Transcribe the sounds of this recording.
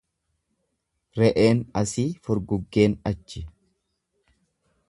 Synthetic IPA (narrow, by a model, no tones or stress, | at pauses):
ɾɛʔeːnɐsiːfɔɾɡʊɡːe̞ːnɐt͡ʃːɪ